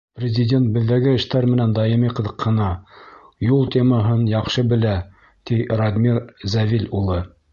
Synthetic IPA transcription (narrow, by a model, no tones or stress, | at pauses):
prʲɪzʲɪdʲent̪̚bɘ̆ðːæɡɘɘ̆ʃt̪æɾmɘ̆nænd̪ɑjɤ̆miqɤ̆ðɤ̆qʰːɤ̆nɑ | julˠt̪ʰʲemɑɦɤnjɑqʃɤbɘ̆læ | t̪irod̪ʲmʲiɾzævilʲulˠɤ